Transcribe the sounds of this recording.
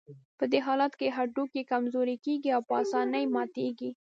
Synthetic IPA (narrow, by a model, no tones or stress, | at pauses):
pəd̪eɦɑlat̪keɦaɖukekamzoɾikeɡiawpəɑsɑnəjmɑt̪eɡi